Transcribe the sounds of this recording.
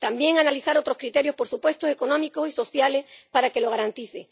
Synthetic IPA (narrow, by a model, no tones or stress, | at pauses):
t̪ambje̞ŋanaliθaɾo̞t̪ɾohkɾit̪e̞ɾjo̞hpo̞ɾsupwe̞st̪ose̞ko̞nõmiko̞siso̞θjale̞paɾake̞lo̞ɣaɾant̪iθe